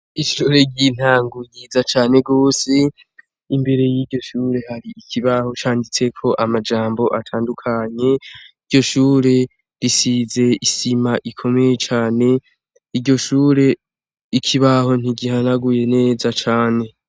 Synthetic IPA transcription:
iʃuːɾe̞ɟin̥aːŋɡujizat͡ʃaːne̞ɡo̞ːse | imbe̞ɾe̞jiɟo̞ʃuːɾe̞haɾiikʰiβaho̞t͡ʃaːndit͡se̞kʰo̞ʔamad͡ʒaːmbo̞ʔatʰaːndukʰaɲe̞iɾɟo̞ʃuːɾe̞ | ɾisize̞isimaʔikʰo̞me̞jet͡ʃaːne̞ | iɾɟo̞ʃuːɾe̞ | ikʰiβaho̞n̥iɡihanaɡuje̞ne̞ːzat͡ʃaːne̞

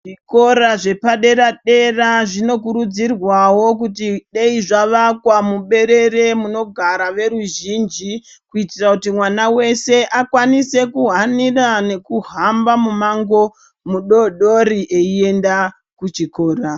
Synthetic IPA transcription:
ʐiko̞ɾaʐe̞paɗe̞ɾaɗe̞raʐino̞k̬uɾud͡zirwawo̞k̬utiɗe̞iʐaʋakwamuɓe̞ɾe̞ɾe̞muno̞ɡʱaɾaʋe̞ɾuʒiːnd͡ʒi | kuitirakutimwanawe̞se̞ʔakwanise̞kuɦanirane̞kuɦambamumaŋɡo̞ | muɗoɗo̞ɾiʔe̞ie̞nda | kut͡ʃiko̞ːɾa

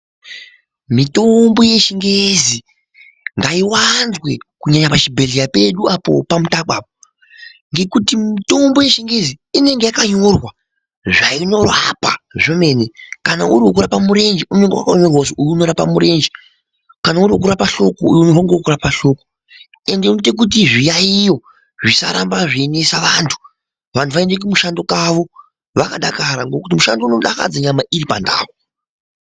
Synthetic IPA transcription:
mito̞mbo̞je̞ʃiŋɡezi | ŋɡaiwanzwe̞kuɲaɲapat͡ʃibʱeɮijape̞ɗuapo̞̰pamutakwaːpo | ŋɡe̞kutimito̞mbo̞je̞ʃiŋɡe̞ziine̞ŋɡe̞jakaɲo̞rwa | ʐaino̞rapaʐome̞nekanaʔuɾiwok̬uɾapamuɾe̞nd͡ʒiune̞ŋɡewa̰kaomerwosoʔujiuno̞ɾapamuɾe̞nd͡ʒi | kanauɾiokuɾapaɬo̞koujnɦaŋɡeokuɾapaɬo̞ko | e̞ndeuitek̬ut̬iʐijaijo̞ | ʐisa̰ɾambaʐine̞saʋantʰu̥ | ʋantʰuʋaendek̬umuʃando̞kaʋo̞ | ʋakaɗakaɾaŋɡo̞kut̬imuʃandouno̞ɗa̰ka̰d͡zaɲamaʔiripa̰nda̰ːwo

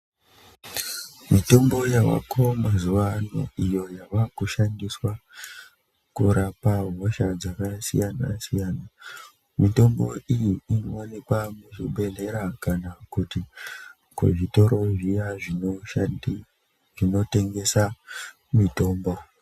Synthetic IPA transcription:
mito̞mbo̞jaʋa̰kʰomazuʋano̰ijo̞jaʋakuʃandiswa | kuɾapaɦoʃad͡zakasijana̰sijaːna | mito̞mbo̞̰ʔijiinoonekwamuʐiɓe̞ɮe̞ɾakanakuti | kṵʐito̞ɾo̞ʐijaʐi | ʐino̞te̞ŋɡe̞sa | mito̞ːmbo̞

